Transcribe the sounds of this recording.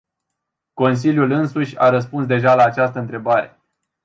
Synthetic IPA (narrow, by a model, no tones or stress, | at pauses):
ko̞ns̬ilʲjulɨnsuʃʲa̰ɾəs̬punsd̪e̞ʒalaːt͡ʃast̪əɨnt̪ɾe̞baɾe̞̰